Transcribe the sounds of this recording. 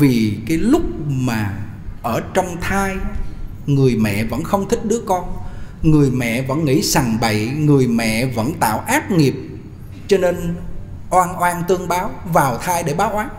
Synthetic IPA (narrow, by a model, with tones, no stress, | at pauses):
vi˨˩kaː˨˦jlʊ˦˥k͡p̚maː˨˩ | ʔəː˧˩t͡ɕɔ˧wŋ͡mt̪ʰaː˧j | ŋɨ˨˩əjmɛ̰˧˨və̰˧˥nxə˧wŋ͡mt̪ʰï˦˥k̚ɗɨ˨˦əkɔ˧nŋɨ˨˩əjmɛ̰˧˨və̰˧˥nŋḭ˧˥saː˨˩ŋɓə̰˧˨jŋɨ˨˩əjmɛ̰˧˨və̰˧˥nt̪a̰ː˧˨wʔaː˦˥t̚ŋi˨˩əp̚ | t͡ɕɔ˧ne˧nʔwaː˧nʔwaː˧nt̪ɨ˧əŋɓaː˨˦wvaː˨˩wt̪ʰaː˧jɗe˧˩ɓaː˨˦wʔwaː˨˦n